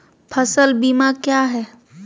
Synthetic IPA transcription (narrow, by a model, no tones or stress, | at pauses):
pʰəsəlbiːmakjaːɦɛː